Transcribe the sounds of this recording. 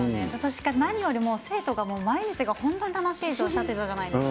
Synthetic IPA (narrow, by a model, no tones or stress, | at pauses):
esoɕi̥kanaɲ̟ijo̞ɾʲimo̞ːse̞ːt̪o̞ɡamo̞ːmaiɲit͡sɨɡahõ̞nt̪o̞ɲ̟it̪ano̞ɕiːzoːɕt̪at̪oiɾɯkakanaid̪es